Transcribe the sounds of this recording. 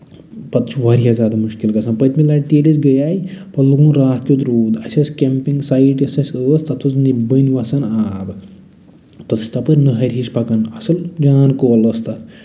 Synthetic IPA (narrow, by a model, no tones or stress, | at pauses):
pɐt̪t͡ʃʰuʋaɾjazʲaːd̪amuʃkilkɐsʰanpɐt̪ʲʰmilaʈt̪eːlisɡɐjaːjpɐluɡũːnɾaːt̪kʲjut̪ɾuːd̪ɐsʲɐskʲempiŋɡsajiʈɐsɐsʲəːst̪ɐt̪ʰusnibənʲʋɐsɐnaːb | t̪ɐt̪ʰɨ̥sʲt̪ʰapɨɾnɨɦɐɾʲiʃpɐkɐnɐsɨld͡ʒaːnkoːlɐst̪ɐt̪